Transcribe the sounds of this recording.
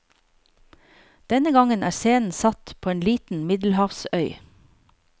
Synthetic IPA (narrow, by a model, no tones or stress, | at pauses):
d̪̥ɛnəɡɑŋənʔæ̰ːseːnn̩sɑt̪pʰoːeːnliːt̪n̩mɪd̪l̩hɑːfsœʏ